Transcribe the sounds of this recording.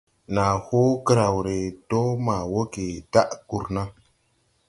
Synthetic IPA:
na˨ho˦kə˦ɾa˨wɾe˨to˦ma˨wo˦ke˨ta˦ʔku˦˨ɾna˦

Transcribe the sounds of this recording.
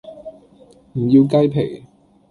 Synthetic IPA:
m̩˨˩jiː˧wkɐ˥jpʰe˨˩j

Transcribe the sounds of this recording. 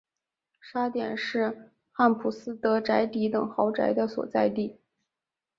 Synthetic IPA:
ʂa˥t̪jɛ˨˩nʂɻ̩˥˧ | xa˥˩npʰu˨˩sɹ̩˥t̪ɤ˧˥ʈ͡ʂa˧˥ɪt̪i˧˥t̪ɤ˨˩ŋxɑ˧˥ʊʈ͡ʂa̰˧˥ɪd̪ə˧swɔ̰˨˩t͡sa˥˧ɪt̪i˥˩

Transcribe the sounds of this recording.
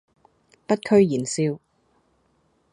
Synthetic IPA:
pɐ˥t̚kʰɵ˥ɥjiː˨˩nsiː˧w

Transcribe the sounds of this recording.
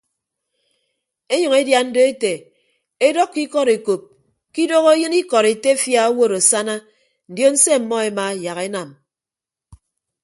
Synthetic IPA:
e˦ɲʌ˨ŋe˦dja˦n̩˦do˦e˦te˨ | e˦dɔ˦kːi˦kɔ˦ɾe˨ko˨p̚ | ki˦do˦ɣo˦jɨ˦ni˦kɔ˨ɾe˨te˦fja˨o˦wo˦ɾo˨sa˦na˦ | n̩˨djo˦n̩˦se˦m̩˨mɔ˦e˨ma˨ja˨ɣe˦na˨m

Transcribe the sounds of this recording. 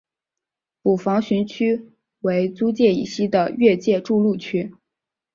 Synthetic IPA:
pu˨˩fɑ˧˥ŋɕy˧˥nt͡ɕʰy˥ | we˧˥ɪt͡su˥t͡ɕjɛ˥˩ḭ˨˩ɕi˥d̪ə˨ɥɛ˥˧t͡ɕjɛ˥˧ʈ͡ʂu˥˧lu˥˩t͡ɕʰy˥

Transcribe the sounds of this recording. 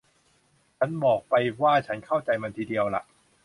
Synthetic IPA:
t͡ɕʰa˦˥nbɔː˨˩k̚pa˧jwaː˥˩t͡ɕʰa˦˥nkʰa˥˩wt͡ɕa˧jma˧nt̪ʰiː˧˩di˧əwla̰˨˩ʔ

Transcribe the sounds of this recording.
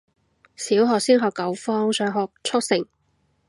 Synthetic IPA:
siː˨˥wɦɔː˨˧k̚siː˥nɦɔː˨˧kːɐ˨˧wfɔː˥ŋsœː˨˧ŋɦɔː˨k̚t͡sʰʊ˥k̚sɪ˨˩ŋ

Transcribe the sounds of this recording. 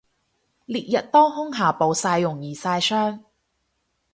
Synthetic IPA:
liː˨t̚jɐ˨t̚t̪ɔː˥ŋɦʊ˥ŋɦaː˨˩po˨wsaː˧jːʊ˨˩ŋjiː˨saː˧jsœː˥ŋ

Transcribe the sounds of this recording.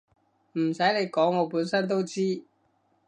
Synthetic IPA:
m̩˨˩sɐ˨˥jle˨˧jkɔː˨˥ŋːɔː˨˧puː˨˥nsɐ˥nt̪̬o˥wt͡siː˥

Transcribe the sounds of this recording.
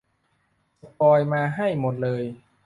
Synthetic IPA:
a˨˧˩pɔː˧jmaː˧ɦa˥˩jmo˨˩t̪̚lɤː˧j

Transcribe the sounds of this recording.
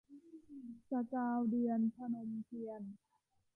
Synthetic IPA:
sa˧kaː˧wdi˧ənpʰa˧na˧mki˧ən

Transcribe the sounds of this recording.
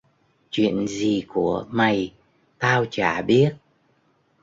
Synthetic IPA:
t͡ɕwḭ˧˨ənzi˨˩ku˧˩əma˨˩j | t̪aː˧wt͡ɕaː˧˩ɓi˦˥ət̚

